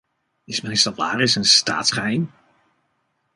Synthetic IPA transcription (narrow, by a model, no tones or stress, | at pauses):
ɪsmɛnɪsdɑtla̰ːrɪsənsta̰ːtsχɛjn